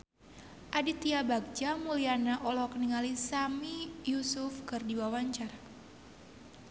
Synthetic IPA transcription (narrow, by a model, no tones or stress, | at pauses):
ʔadit̪iabak̚d͡ʒamulianaʔɔlɔkəniŋalisamijusufkɨrdiwawaɲt͡ʃar